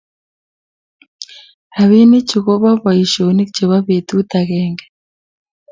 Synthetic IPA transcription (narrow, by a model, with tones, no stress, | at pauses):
ha˨βi˦ni˦ci˨ɣo˦βa˦βa˨i˨ʃo˨ni˦kce˨βa˦βetu˦taɣeːŋɡḁ